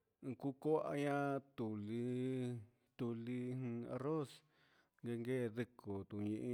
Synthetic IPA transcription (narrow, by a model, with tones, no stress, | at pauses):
ku˦ko˦a̰˧ɲã˦˧t̪u˨li˧ | t̪u˧li˧hĩ˧a̰˧ro˦s | ŋɡe˧ŋɡeː˦˨ðɨ˧ko˨t̪u˨ɲĩ˧ʔi˧